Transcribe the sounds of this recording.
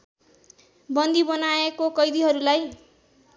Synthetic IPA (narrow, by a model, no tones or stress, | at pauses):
bʌnd̪ibʌnaekokʌjd̪iɦʌɾulaj